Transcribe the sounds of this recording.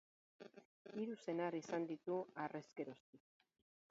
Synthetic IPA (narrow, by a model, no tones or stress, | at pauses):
iɾuse̞narisand̪it̪uare̞ske̞ɾo̞st̪ik